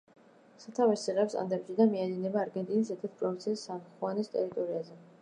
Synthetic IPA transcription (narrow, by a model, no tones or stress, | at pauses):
sat̪ʰavɛsiʁɛpst̪ʼa̰nd̪ɛpʃid̪amiad̪inɛbaːɾɡɛnt̪ʼinisɛɾt̪ʰɛt̪pʼɾɔvint̪sʰiisːamχχwanɛst̪ʼɛ̰ɾit̪ʼɔɾiazɛ